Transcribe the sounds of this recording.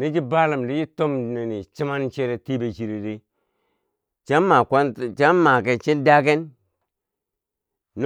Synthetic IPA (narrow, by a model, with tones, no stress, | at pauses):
ni˦d͡ʒi˦ba˦la˨mli˦d͡ʒi˦to˦m˨ne˨ni˨t͡ʃi˦ma˦nt͡ʃe˦ɾe˨ti˦be˨t͡ʃi˨ɾe˨di˦ | t͡ʃa˦ma˨ka˦n˨t͡ʃa˦ma˨ke˨nt͡ʃi˦n˦da˦ke˦n | n˦